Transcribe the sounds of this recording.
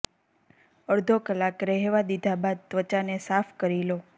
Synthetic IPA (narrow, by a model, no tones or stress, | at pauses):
əɾd̪ʱokəlakɾɛɦʋad̪id̪ʱabad̪̚t̪ʋət͡ʃanesafʰkəɾilo